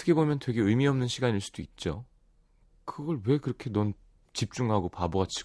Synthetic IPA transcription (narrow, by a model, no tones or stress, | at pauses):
tʰɯ̥kʰebomjʌntwe̞ɡe̞ɯjmiʌmnɯnɕʰiɡaniɭs͈u̥d̥oit̚t͡ɕ͈o | kɯɡʌɭwe̞kɯɾʌkʰe̞nʌn | t͡ɕip̚t͡ɕ͈uŋɦaɡopaboat͡ɕʰi̥